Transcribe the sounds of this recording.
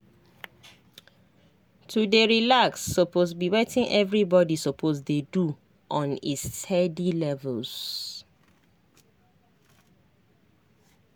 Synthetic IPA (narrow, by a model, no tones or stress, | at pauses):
tʰudeɹilaksːopʰosbiwetɪ̃ŋʔɛvɹibɔdisɔpʰozdedu | ʔɔ̃nḭstʰɛdilɛvəls